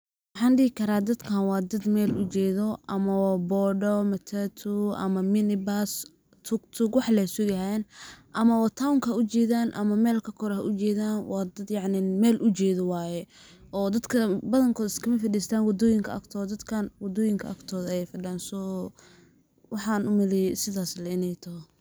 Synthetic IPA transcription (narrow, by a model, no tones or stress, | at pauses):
wɑħɑːnɖɪhɪkʰɐɾaːd̪ɐd̪kʰaːnwɑːd̪ɐd̪mɛːlʊt͡ʃɛːðɔʔɐmɐwbɔɖɔmɐt̪ʰat̪ʰuɐ̰mɐmɪnɪbas | t̪ʰʊkt̪ʰʊɡwɑħlɛsʊɡɐɦaɛnʔɐmɐwɔːt̪ʰawŋkʰɐhɐʊt͡ʃɛːðaːnʔɐ̰mɐmɛːlkʰɐkʰɔɾhɐʔʊt͡ʃɛːðaːnwɑːd̪ɐd̪jɑʕnɪmɛːlʔʊt͡ʃɛːðɔwaːjɛ | ʔɔːd̪ɐd̪kʰɐbɐðɐŋkʰɔːðɐɪskʰɐmɐfɐɖiːst̪ʰaːnwɑd̪ɔːjɪŋkʰɐɐ̰kt̪ʰɔːd̪ɐd̪kʰaːnwɐd̪ɔːjɪŋkʰɐʔɐkt̪ʰɔːðɐɛjfɐɖaːnsɔː | wɑħɑnʊmɐlɛsɪðaːslɐɪnɛjt̪ʰɐɦɔ